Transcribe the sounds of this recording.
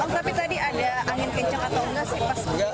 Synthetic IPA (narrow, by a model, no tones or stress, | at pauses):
aŋt̪apit̪adiʔadaaŋɪnkəɲt͡ʃakat̪awɡasɪpas